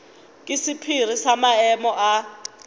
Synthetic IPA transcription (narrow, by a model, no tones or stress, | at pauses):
kʼisipʰir̤isamaɛmɔʔa